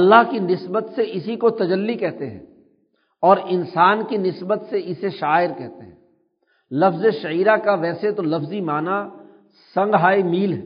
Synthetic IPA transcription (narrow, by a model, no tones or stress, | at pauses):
ɐlːaɦkinɪsbət̪seʔɪsikot̪ɐd͡ʒəlːikɛɦt̪eɦɛ̰̃ː | ɔːɾɪnsaːnkinɪsbət̪seɪseʃaːɪɾkɛɦt̪eɦɛ̃ː | lɐfzeʃɐiːɾakaʋɛːset̪olɐfzimaːna | sɐ̃ŋɡɦaːimiːlɦɛː